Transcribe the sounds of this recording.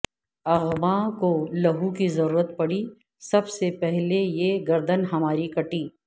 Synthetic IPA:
ɐɣmakolɐɦukizɐɾuːɾət̪̚pɐɽi | sɐbsepɛɦlejeɡɐɾd̪ənɦɐmaːɾikɐʈiː

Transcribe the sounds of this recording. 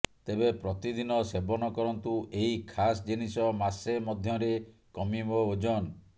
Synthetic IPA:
t̪ebepɾɔt̪id̪inɔsebɔnɔkɔɾɔnt̪uʔeɦikʰasd͡ʒinisɔmasemɔd̪ʱjɔɾe | kɔmibood͡ʒɔn

